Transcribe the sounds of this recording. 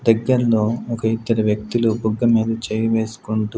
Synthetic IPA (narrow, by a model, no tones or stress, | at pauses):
d̪ɐɡːɐɾɐlo̞ːɔkɐit̪ːɐɾɐʋjɐk̚t̪ilubuɡːɐmiːd̪ɐt͡ʃeːjɐʋe̞ːsu̥kuɳʈu